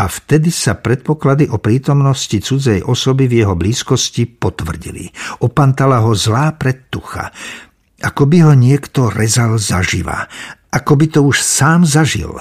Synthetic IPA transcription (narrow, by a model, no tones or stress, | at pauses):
ʔaft̪ɛd̪isapɾɛt̪̚pɔklad̪iʔɔpɾiːt̪ɔmnɔscit͡sud͡zɛjʔɔsɔbivjɛɦɔbliːskɔscipɔt̪ʋr̩ɟḭlḭʔɔpant̪alaɦɔzlaːpɾɛt̪ːuxa̰ | ʔakɔbiɦɔɲɪɛkt̪ɔɾɛzalza̰ʒḭʋa̰ʔakɔbit̪ɔuʃsaːmzaʒḭl